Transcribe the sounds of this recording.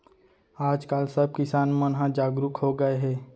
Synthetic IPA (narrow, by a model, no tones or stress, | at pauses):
aːd͡ʒkaːlsəb̚kɪsaːnmə̃nɦãd͡ʒaːɡɾʊkɦoːɡəeɦɛː